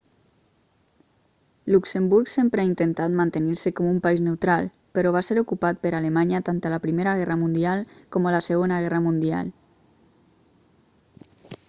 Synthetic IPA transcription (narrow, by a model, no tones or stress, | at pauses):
luksembuɾksempɾeaint̪ent̪at̪mant̪eniɾsekɔmumpaiznewt̪ɾalˠ | pəɾɔβ̞aseɾukupat̪̚pəɾalemaɲət̪ant̪əlapɾimeɾaɣɛrəmund̪ialˠkɔmələsəɣ̞onəɣɛrəmund̪ia̰lˠ